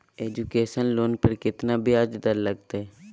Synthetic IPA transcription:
eːd͡ʒukeːʃənloːnpəɾkɪt̪nabiad͡ʒd̪əɾləɡt̪aɛ

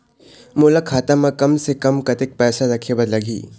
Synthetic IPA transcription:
mʊlakʰaːt̪amãkɐmsekɐmkɐt̪ɪk̚pɛːsaɾɐkʰebɐd̪lɐɡʱḭː

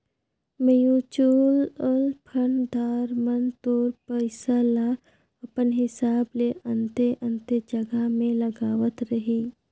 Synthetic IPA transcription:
məjũt͡ʃuːləlpʰəɳd̪aːɾmənt̪oːɾpəɪsalaː | ɐpənɦɪsaːbleʔə̃nt̪eʔə̃nt̪ed͡ʒɐɡamẽləɡaːʋət̪ɾəɦiː

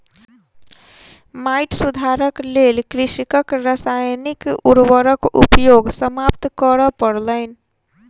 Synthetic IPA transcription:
majʈsud̪ʱaɾəklelkɾisikəkɾasajnikuɾwəɾəkṵpjoɡsəmapt̪kəɾəpəɾləɪn

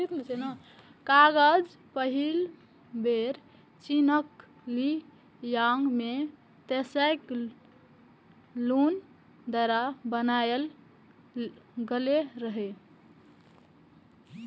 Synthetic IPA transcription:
it̪met͡ʃʰeno | kaɡəd͡ʒ | pəɦil | beɾ | t͡ʃinək | li | jaŋɡme | t̪esəjk | lun | d̪aɾabənajl | ɡəleɾəɦɛ

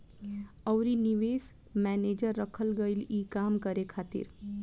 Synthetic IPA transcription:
əːɾiniʋeːs | mɛːneːd͡ʒəɾːəkʰəlɡəiliːkaːmkəɾekʰaːt̪ɪ̰ɾ

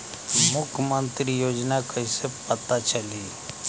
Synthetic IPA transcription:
mʊkʰjəmə̃nt̪ɾijoːd͡ʒnakəisepət̪at͡ʃəliː

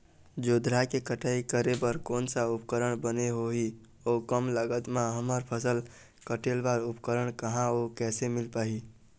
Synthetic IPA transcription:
d͡ʒod̪ɾakekəʈaikəɾebəɾkoːnsaupkəɾəɽ̃bəneɦoɦi | okəmləɡət̪mãɦəməɾpʰəsəl | kəʈelbaɾupkəɾəɳ̃kəɦãokɛːsemilpaːɦi

